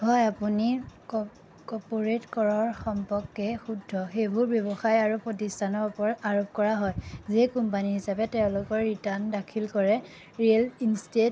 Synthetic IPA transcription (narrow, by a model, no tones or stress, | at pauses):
hɔjapuni | kɔpoɹetkɔɹɔɹxɔmpɔkːɛxudʱːɔxebʱuɹbjɔbɔxajaɹupɹɔtistʰanɔɹupɔɹaɹop̚kɔɹaɦɔjzekumpaniɦisapɛtɛʊ̃lʊkɔɹːitandakʰilkɔɹɛ | ɹiɛlinstet